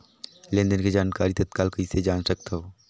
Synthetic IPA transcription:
lẽːnd̪ənked͡ʒaːnkaːɾit̪ɐt̪kaːlkɐɪsed͡ʒaːnsɐk̚t̪aɦoː

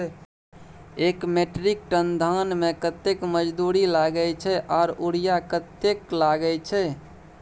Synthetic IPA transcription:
ekmeʈɾik̚ʈənd̪ʱanmekət̪ekməd͡ʒd̪uɾilaɡəjt͡ʃʰɛʔaːɾuɽijakət̪ːeklaɡɛt͡ʃʰɛ

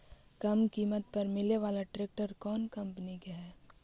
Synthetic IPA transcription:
kɐmkiːmət̪pɐɾmɪleʋaːlaʈɾeːk̚ʈəɾkɔːnkɐ̃mpnikeɦɛː

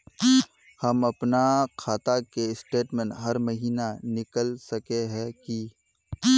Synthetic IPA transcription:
hɐmɐpnakʰaːt̪akeɪsʈeːʈmɛ̃nɦɐɾmɐɦiːnanɪkəlsɐkeɦɛ̃ki

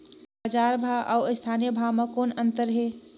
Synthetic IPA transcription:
bəd͡ʒaːɾbʱaʔa̰uɪst̪ʰanijəbʱamekoːnənt̪əɾɦe

